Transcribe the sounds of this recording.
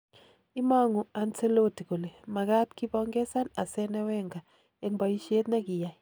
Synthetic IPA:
i˦ma˦ŋu˨a˨nse˦lo˦ti˨ko˨le˨ma˨ka˦tki˦pɔ˦ŋɡɛ˦sa˦na̰˨sɛ˦nɛ˦wɛ˦ŋɡa˨ | e˦ŋba˨ji˦ʃe˦t̪na˦ki˨ja˨i˨

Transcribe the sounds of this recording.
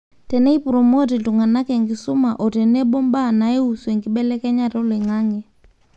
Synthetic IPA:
tɛ˨nɛ˦i˦pu˨ɾɔ˨mo˦ti˨tu˨ŋa˨na˦kɛ˨ŋɡi˨su˦ma˨ʔɔ˨tɛ˨nɛ˦ɓɔ˦mba˦˨na˨ɛ˦u˨swɛ˨ŋɡi˦ɓɛ˦lɛ˦kɛ˦ɲa˦tɔ˦lɛ˨ŋa˦ŋɛ˨

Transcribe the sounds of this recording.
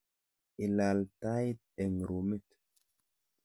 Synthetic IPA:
i˨la˨lta˦jt̚ | ɛ˨ŋɾo˨mi˦t

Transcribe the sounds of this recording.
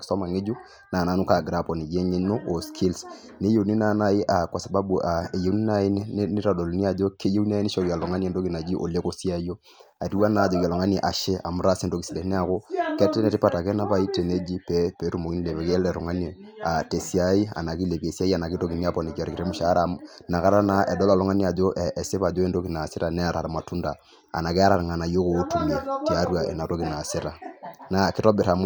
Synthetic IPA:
sɔ˦ma˨ŋɪ˦d͡ʒu˦ | na˨na˦nu˦ka˨ɡɾa˦˨pɔ˨ni˨d͡ʒe˦ɲe˦no˦ʔɔ˨skʰi˦ls | ne˦je˨ni˦na˦na˨ɪ˦ʔa˨kwa˨sa˨ba˦bu˨ʔa˨e˨je˦ni˦na˨˦ɪ˦ni˦ɾa˨do˨lo˨ni˦a˨d͡ʒo˦ke˦je˦u˦n˦a˦i˦nɪ˦ʃɔ˨ɾja˨lɔ˨ŋa˦ni˦ɛ˨ndo˦ki˨na˨d͡ʒi˦ʔo̰˨le˦ko˦sja˦jo˦ | a˨ti˦wa˦na˨d͡ʒɔ˨a˨lɔ˨ŋa˦ni˨ʔa˨ʃɛ˦ʔa˨mʊ˨˦ɾa˦si˦ndo˦ki˨si˨lɛ˨˦nɛ˦a˨ko˦kɛ˦tɛ˦nɛ˨tɪ˦pa˦ta˨kɛ˦na˦pa˨˦i˦te˨ne˦d͡ʒi˦pɛ˨˦pe˨˦ɾu˦mo˨ki˦ni˦le˨βe˨kɛ˦lɛ˨ɾɔ˨ŋa˦ne˨ | a˨te˨si˦a˦i˦a̰˨na˨ki˦le˨pe˨sja˦i˦a˨na˨ki˦to˦ki˨ni˦a˦pɔ˨ne˨ka˨ɾki˨ɾe˦mu˦ʃa˦ɾa˨na˨ka˦ɾa˦na˨˦ʔɛ˨dɔ˦la˨lɔ˦ŋa˦ni˦a˨d͡ʒo˦ʔɛ˨se˦βa˨d͡ʒo˦e˦ndo˦ki˨na˨se˦ɾa˨nɛ˦a˨ɾa˨ɾma˨tu˦nda˨ | a̰˨na˨kɛ˦a˦ɾa˨ɾŋa˨na˨jo˦ko˨˦tu˨me˨ti˨a˦ɾwa˨ʔḛ˨na˨to˦ki˨na˨se˦ɾa˨na˨kɪ˦tɔ˦be˨ɾa˨m˦

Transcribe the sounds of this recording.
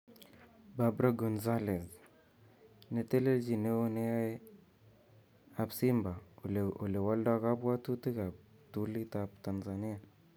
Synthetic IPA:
ba˦bɾa˦ɡɔ˨nza˦lɛ˨z | ne˨te˦le˦ld͡ʒi˨ne˦o˦ne˦a˦ | a˨psi˦mba˨o̰˨le˨wa˦lda˦ka˦pwa˦tu˦ti˦ka˨ | tu˦li˦ta˦pta˨nza˨ni˦a˨

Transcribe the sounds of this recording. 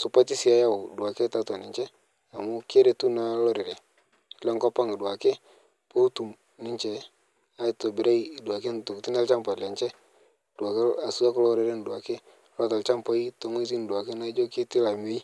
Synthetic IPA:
su˨pa˦ti˦si˨a˨ja˦ʊ˨du˨a˨ke˦ta˦tɔ˨nɪ˨ɲt͡ʃɛ˦ | a˨mʊ˦ke˦ɾe˨tu˦na˨˦lɔ˦ɾe˨ɾe˨ | lɛ˦ŋkɔ˦pa˦ŋi˨dwa˨ke˦ | po˦tu˨m | nɪ˦ɲt͡ʃɛ˨ | a˦tɔ˨bɪ˨ɾa˦i˦˨du˨a˨ke˦n˨to˨kti˦n˦a˦lt͡ʃa˦mpa˨lɛ˨ɲt͡ʃɛ˦˨ | da˨ke˦a˨su˦a˦klɔ˦ɾɪ˨˦ɾe˦n˨du˨a˨ke˦ | lɔ˦ta˨lt͡ʃa˦mpa˦i˦to˨˦ŋe˦t̬i˦n˨dwa˨ke˦na˦d͡ʒo˦ki˦tɪ˦la˨mi˦i˦

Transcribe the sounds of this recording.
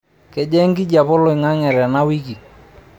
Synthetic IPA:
ke˨d͡ʒɛ˦ŋɡi˦d͡ʒa˨pɔ˦lɔ˨ɪ˨ŋa˦ŋɛ˨ɾɛ˨na˦wi˦ki˨

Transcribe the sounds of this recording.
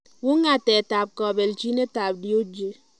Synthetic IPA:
wu˦ŋa˨te˨ta˨p̚kɔ˨be˨lt͡ʃi˦ne˦ta˨b̚di˦o˦d͡ʒe˨

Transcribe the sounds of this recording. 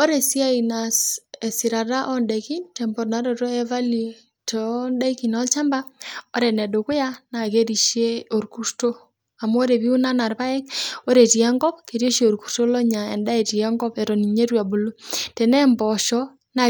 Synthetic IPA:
o˦ɾe˨si˦a˦i˨na˨se˨si˨ɾa˨ɾa˦ʔɔ˦nde˨ki˦ntɛ˨mbo˨ɾna˨ɾo˨ɾo˦ɛ˦va˦li˨ | tɔ˨nda˦ki˨nɔ˦lt͡ʃa˦mba˦o˦ɾe˨nɛ˨do˨ku˦ja˦na˨ke˦ɾi˨ʃe˦o˨ɾku˦ɾto˦ | a˨m˦o˦ɾe˨βi˦u˦na˦na˨ɾβa˦e˦ko˦ɾe˨ti˨a˦ŋɡɔ˦pke˨ɾjo˦ʃo˨ɾku̥˨ɾto˦lo˦ɲa˨ɛ˨nda˦e˨ti˨ɛ˦ŋɡɔ˦pɛ˨ɾo˨ni˨ɲe˦ɾwa˨bu˨lu˦tɛ˨nɛ˦mbɔ˨ʃɔ˦ | na˨

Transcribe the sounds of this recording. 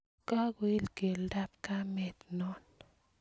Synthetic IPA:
ka˦ɡwi˦lke˨lda˦p̚ka˦mɛ˦t̪nɔ˦n

